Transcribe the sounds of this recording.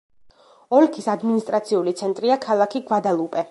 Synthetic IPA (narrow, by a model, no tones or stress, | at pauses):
ɔlkʰisad̪minist̪ʼɾat̪sʰiulit̪sʰɛnt̪ʼɾiakʰalˠakʰiɡwad̪alˠupʼɛ